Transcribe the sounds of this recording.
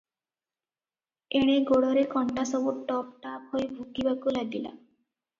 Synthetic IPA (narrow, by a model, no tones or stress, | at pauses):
eɽ̃eɡoɽɔɾekɔɳʈasɔboʈʈɔp̚ʈaphoebʱukibakulad̪ila̰